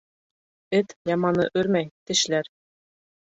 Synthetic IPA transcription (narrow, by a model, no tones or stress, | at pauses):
ɘ̆t̪ʲjɑmɑnɤ̆ʔyrʲmʲæjt̪ɘ̆ɕlʲærʲ